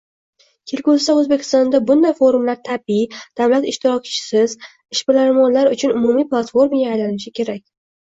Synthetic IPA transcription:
kʲʰe̞lkʲolsaɵzbe̞kʲʰɪ̥st̪ɒnd̪abʊnd̪ajfo̞ɾʊmlaɾt̪ʰabid̪̥avlat̪ɪʃt̪ɪɾɒkʲt͡ʃʰɪ̥sɪz | ɪʃbɪlaɾmɒnlaɾʊt͡ʃʰʊnʊmumijplˠat̪fo̞ɾmajaːjlanɪʃɪkʲʰe̞ɾakʲ

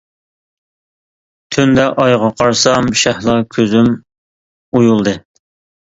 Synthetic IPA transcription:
t̪ʰynd̪ɛʔɑjʁɑqʰɑɾsɑmʃæhlˠɑkʲʰøzym | ujulˠd̪ɨ

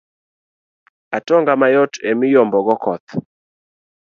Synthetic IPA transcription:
atɔŋɡamajɔtemɪjɔmbɔɡɔkɔt̪

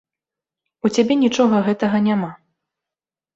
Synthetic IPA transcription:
ut͡sʲabʲɛnʲit͡ʂɔɣɐɣɛt̪ɐɣɐnʲama

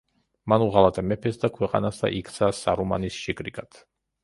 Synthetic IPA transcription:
manuʁalat̪ʼɛmɛpʰɛsd̪akʰwɛqʼa̰nasd̪a̰ʔikʰt̪sʰasa̰ɾuma̰nisʃikʼɾikʼat̪ʰ

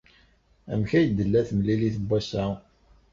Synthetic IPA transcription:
æ̰mçæjd̪əlːæθmliliθəbʷːæsæ

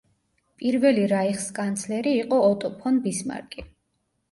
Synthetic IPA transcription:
pʼiɾvɛliɾaiχskʼant̪sʰlɛɾiːqʼɔːt̪ʼɔpʰɔnbisma̰ɾkʼi

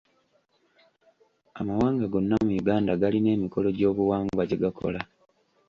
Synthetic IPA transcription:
amawaːŋɡaɡo̞nːamujuɡaːndaɡaline̞ːmiko̞lo̞ɟo̞ːβuwaːŋɡuwaɟeɡakʰo̞̰la

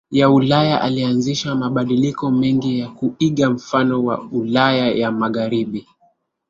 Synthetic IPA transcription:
jaulajaʔalianziʃamaɓaɗilikɔmɛŋɡijakuiɠam̩fanɔwa̰ulajajamaɣaɾiɓi

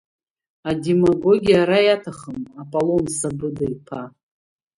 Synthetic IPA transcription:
ademaɡo̞ɡʲijaɾajatʰaχəmapʼalo̞msabɨdajpʰa

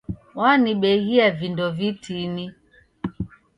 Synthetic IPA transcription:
waniɓɛɣiavindɔvitʰini

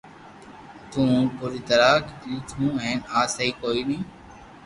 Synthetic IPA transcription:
t̪ũːpʊːɾiːt̪əɾaːkiːt̪ʰũːɦẽːnaːsəiːkoːiːɗĩː

